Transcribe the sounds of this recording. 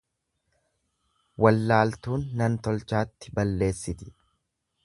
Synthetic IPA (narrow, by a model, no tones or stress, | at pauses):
wɐlːaːlt̪uːnːɐnt̪ɔlt͡ʃaːt̪ːɪbɐlːe̞ːsːɪt̪ɪ̥